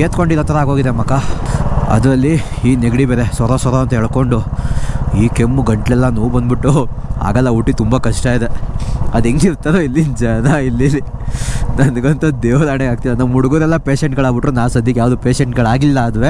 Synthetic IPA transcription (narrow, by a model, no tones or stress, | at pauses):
keːt̪koɳɖiɾɔːt̪ɐɾɐaːɡo̞ːɡid̪emɐkːa | ɐ̰d̪ɾɐlːiiːneɡɽibeɾesʋɐɾɐsʋɐɾɐɐnt̪ɐɦɛɭko̞ɳɖu | iːke̞mːuɡɐɳʈlɛlːɐnuʋubɐnd̪biʈːu | a̰ːɡɐlːɐuʈːit̪umbakɐʂʈaːjid̪eɐd̪eŋɡiɾt̪aɾoilːind͡ʒɐnɐilːili | nɐnɡɐnt̪ɐd̪eːʋɐɾaːɽeaːɡ̚t̪ilɐnɐmːuɽuɡuɾɛlːɐpe̞ːʃeɳʈɡɐɭaːɡbiʈːɾuːnaːsɐd̪jɐkjaːʋd̪upeːʂeɳʈɡɐɭaːɡilːɐːd̪ʋe